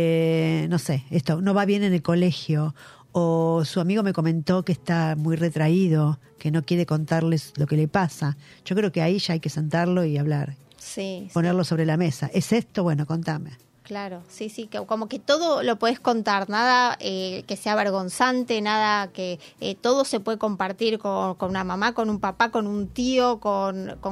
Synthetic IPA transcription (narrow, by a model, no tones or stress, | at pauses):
eno̞seest̪ono̞βaβje̞nenelko̞lexjo̞ | osuamiɣ̞o̞me̞ko̞mẽ̞nt̪o̞keːst̪amujret̪ɾaiðo̞ | keno̞kjeɾe̞ko̞nt̪aɾleslo̞ke̞lepasa | ʒ̥okɾeokeaiʒ̥aajke̞se̞nt̪aɾlo̞iaβlaɾ | sipo̞neɾlo̞so̞βɾe̞lame̞saʔesest̪oβwenoko̞nt̪ame | klaɾo̞sisikoko̞mo̞ket̪o̞ðolo̞po̞ðe̞sko̞nt̪aɾnaðaekeseaβeɾɣo̞nsant̪enaðakeḛt̪o̞ðo̞se̞pwe̞ðeko̞mpaɾt̪iɾkonkonunamamako̞numpapako̞nunt̪io̞konko